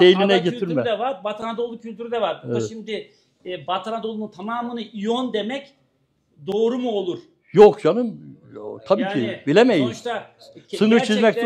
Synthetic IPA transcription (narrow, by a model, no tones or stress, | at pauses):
ejlʲinɛɟet̪ʰiɾmɛd̪ɛvaɾbat̪ʰanad̪o̞lˠucʰylʲt̪ʰyɾd̪ɛvaɾbʃimd̪ɪ | bat̪ʰanad̪o̞lˠunut̪ʰamaːmɯnɯʔijond̪e̞mɛc | d̪o̞ːɾumuo̞lˠuɾ̥ | jokd͡ʒanɯmt̪ʰabiːcʰibilʲemejimʃa | sɯnɯt͡ʃʰizmɛc̚t̪